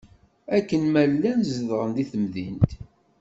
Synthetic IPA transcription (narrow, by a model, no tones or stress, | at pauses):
ækːənmællːænzəðʁənd̪iθəmðḭnt̪